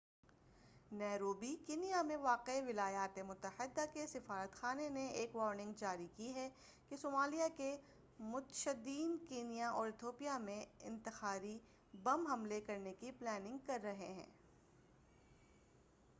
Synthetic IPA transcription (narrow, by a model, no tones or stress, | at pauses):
nɛːɾoːbikiːnijamẽʋaːqeʋɪlaːjaːt̪emʊt̪əhɪd̪ːakesɪfaːɾət̪xaːneneeːkʋɔːɾnɪ̃ŋɡd͡ʒaːɾikiɦɛ | kesoːmaːlijake | mʊt̪ʃəd̪iːnkeːnijaʔɔːɾɪt̪ʰoːpijamẽɪ̰̃nt̪ɪxaːɾi | bɐmɦɐmlekɐɾnekiplɛːnɪ̃ŋɡ̚kɐɾːɐɦeɦɛ̰̃ː